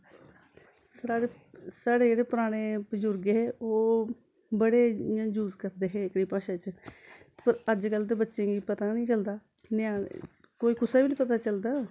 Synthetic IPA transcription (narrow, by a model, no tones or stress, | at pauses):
saːe | saːɽeːd͡ʒeːɽeːpʊɾaːɽ̃eːbəd͡ʒʊɾɡeɦeːoː | bəɽeːãːd͡ʒuːzkəɾd̪eːɦeːɪkɽiːpãːʃãːt͡ʃ | pəɾəd͡ʒkəlt̪̬eːbətːʃẽːɡiːpət̪aːnĩːt͡ʃəld̪aː | nãː | koːiːkʊsaːbiːnĩːpət̪aːt͡ʃəld̪aː